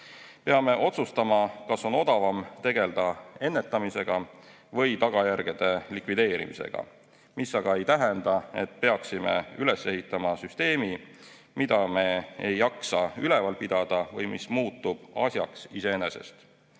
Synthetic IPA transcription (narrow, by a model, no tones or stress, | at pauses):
pe̞ɑme̞ʔo̞t̪sust̪ɑmɑkɑso̞no̞d̪̥ɑvɑmt̪e̞ɡe̞ld̪̥ɑe̞nːe̞t̪ˑːɑmise̞ɡ̥ɑ | vɤ̞jt̪ɑɡ̥ɑjærɡ̥ed̪̥e̞likvid̪̥eːɾḭmise̞̰ɡ̥ɑ̰ | misːɑɡ̥ɑe̞jt̪æɦend̪̥ɑe̞t̪ˑpe̞ɑksime̞̰yle̞se̞ɦit̪ːˑɑmɑsyst̪e̞ːmi | mid̪̥ɑme̞ejːɑksɑyle̞vɑlpid̪̥ɑd̪̥ɑvɤjmḭsmuːt̪ːˑub̥ɑsʲjɑ̰ksise̞ene̞se̞̰st̪